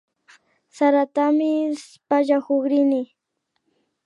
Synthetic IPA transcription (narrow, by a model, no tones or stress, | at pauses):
saɾat̪amɪspaʒahoχɾɪnɪ